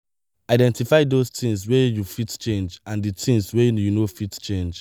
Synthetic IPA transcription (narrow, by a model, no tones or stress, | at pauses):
aɪdɛ̃ntifaɪdostĩŋswɛjufitt͡ʃẽnd͡ʒãnditʰĩŋswɛjunofitt͡ʃẽnd͡ʒ